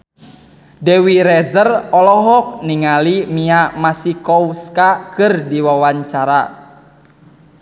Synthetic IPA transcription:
dewiɾɛzərɔlɔɦɔk̚niŋalimiamasikɔwskakɨrdiwawaɲt͡ʃaɾa

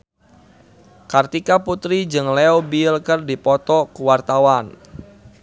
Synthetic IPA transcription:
kart̪ikaput̪ɾid͡ʒɨŋlɛobilkərdipɔt̪ɔkuwart̪awan

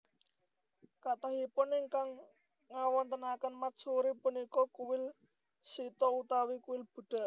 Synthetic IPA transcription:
kat̪aɦipʊnɪŋkaŋː | awɔnt̪ənakənmat͡ʃuɾipunikɔkuwɪl | sit̪ɔut̪awikuwɪlb̥ṳɖ̥a̤ʔ

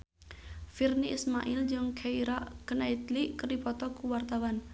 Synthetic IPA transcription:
firniʔismaʔild͡ʒʊŋkʰaiɾaʔkənait̪liʔkərdipɔt̪ɔkuwart̪awan

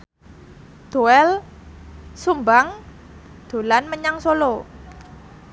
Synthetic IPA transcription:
d̪̥o̤ɛl | sumbaŋ | d̪̥o̤lanməɲaŋsolo

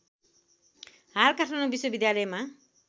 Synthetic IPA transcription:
ɦarkaʈʰanobiswʌbid̪jalʌjma

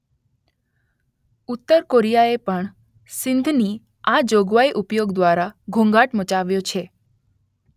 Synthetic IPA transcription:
ut̪ːəɾkoɾijaepəɳ | sɪnd̪ʱni | ad͡ʒoɡʋaiʔupjoɡd̪ʋaɾaɡʱũŋɡaʈmət͡ʃaʋjot͡ʃʰe

